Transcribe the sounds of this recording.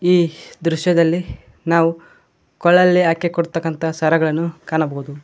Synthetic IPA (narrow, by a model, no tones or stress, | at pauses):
iːd̪ɾuʃjɐd̪ɐlːi | naːʋu | kɔɭːɐlːiaːkːekɔɽut̪ːɐkːɐnt̪ʰɐsɐɾɐɡɐɭɐnːukaːɳɐbɐɦud̪u